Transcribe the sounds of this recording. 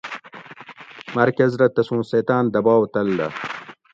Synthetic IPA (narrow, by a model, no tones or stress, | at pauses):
mɐɾkɐzɾɐt̪ɐsũːseːt̪aːnd̪ɐbaːwt̪ɐld̪ɐ̰